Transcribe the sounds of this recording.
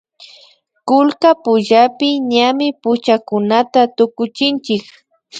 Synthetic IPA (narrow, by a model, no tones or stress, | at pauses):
kʊlkapʊʒapɪɲamɪpʊt͡ʃakʊnat̪at̪ʊkʊt͡ʃɪnt͡ʃɪk